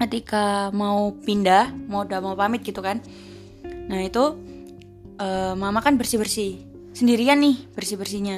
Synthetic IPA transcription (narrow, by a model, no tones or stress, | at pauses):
kət̪ikamaupindahmaudamaupamɪt̪̚ɡit̪ukan | nahit̪u | ʔəːmamakanbərsihbərsih | səndiɾianːɪhb̥ərsibərsiɲa